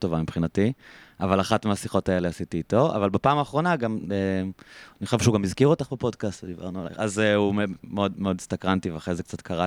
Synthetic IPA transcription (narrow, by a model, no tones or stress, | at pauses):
to̞vamipχinatiavalaχatmeasiχo̞taeleasitiːto̞ʔa̰valbapaːmaːχʁo̞naɡameniχoʃevʃehuɡamizkiʁot̪aχbepo̞dkastved̪iba̰ʁnuala̰jχazeumemeodmeo̞dst̪akʁantiveaχʁezek̚t͡satkʰaʁa